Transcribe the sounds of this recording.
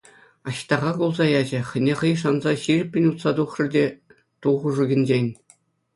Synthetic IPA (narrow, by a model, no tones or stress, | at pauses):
ɑɕt̪ɑʁɑɡulˠzɑjɑd͡ʑɘ̆χʲɘ̆nʲeχɤ̆jʂɑnzɑɕirʲɘ̆pʲːɘ̆nʲut̪sɑd̪uχrɘ̆rdʲe | t̪uʁuʐuɡʲɘ̆nʲd͡ʑenʲ